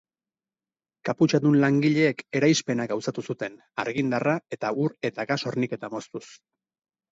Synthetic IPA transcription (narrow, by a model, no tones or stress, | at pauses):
kaput͡ʃaðunlaŋɡiʎe̞ːke̞ɾajspe̞naɡawsat̪usut̪e̞n | a̰ɾɣind̪arae̞t̪auɾe̞t̪aɣaso̞ɾnike̞t̪amo̞st̪us